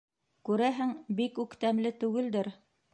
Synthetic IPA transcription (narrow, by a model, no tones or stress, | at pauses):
kʉɾæɦɘŋbikʉkt̪æmlɘt̪ʉɡɘ̆ld̪ɘɾ